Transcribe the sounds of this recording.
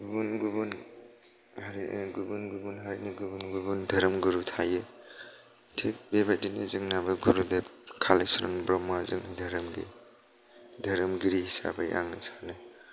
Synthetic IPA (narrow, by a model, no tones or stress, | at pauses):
ɡubunɡubun | aɾɡubunɡubunɦaɾiniɡubunɡubundʱɐɾɯmɡuɾutʰajɯ | tʰik̚bebat̚dinizɯŋnabɐɡuɾudakʰalesɾɔ̰nbɾɔmːazɯŋdʱɐɾɯmɡḭ | dʱɐɾɐmɡiɾihisa̰bajʔa̰ŋnɯsanɯ